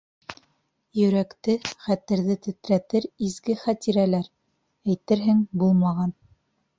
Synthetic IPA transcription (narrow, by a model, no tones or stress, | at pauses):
jɵ̆ɾækt̪ɘχæt̪ɘ̆ɾðɘt̪ɘ̆t̪ɾæt̪ɘɾizɡɘχæt̪iɾælæɾ | æjt̪ɘɾɦɘŋbulˠmɑʁɑn